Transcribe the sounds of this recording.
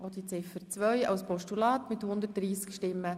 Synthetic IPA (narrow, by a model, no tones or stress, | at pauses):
ʔɔd̥̪it͡sɪfəɾt͡sʋœʏɑ̰wspɔʃtulɑːt̪mɪthʊnd̪ət̚d̥ɾiːskʃtɪmːə